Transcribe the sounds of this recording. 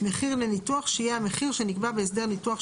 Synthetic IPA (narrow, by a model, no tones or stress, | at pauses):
meχiʁlenituaχʃejeameχiʁʃenikbabeesd̪e̞ʁnituaχ